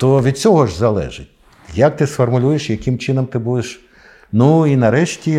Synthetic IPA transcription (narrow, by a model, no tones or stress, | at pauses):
t̪ɔʋʲid̪̚t͡sʲɔɦɔʒzɐlˠɛ̰ʒɪtʲ | jɐk̚t̪ɪsfɔrmʊlʲujeʃjɐkɪmt͡ʃɪnɔmt̪ɪbud̪eʃ | nuinɐɾɛʃtʲi